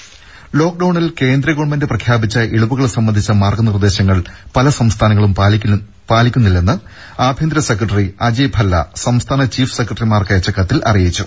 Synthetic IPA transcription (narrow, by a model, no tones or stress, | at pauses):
lo̞ːk̚ɖɐwɳilke̞ːnd̪ɾɐɡoːɳmendɨprɐkʰjaːbit͡ɕːɐʔeɭubuɣɐɭsɐmːɐnd̪ʱit͡ɕːɐmaːrɡɐnird̪e̞ːɕɐŋːɐɭpɐlɐsɐmst̪ʰaːnɐŋɐɭum | paːlikʲːunːilːenːɨ | aːbʱjend̪ɾɐsekrɐʈːɐriɐd͡ʑiːbʱɐlːɐ̰sɐmst̪ʰaːnɐt͡ɕiːfse̞krɐʈːɐrimaːrkɐjɐt͡ɕːɐkːɐt̪ːilʔɐ̰rijit͡ɕːu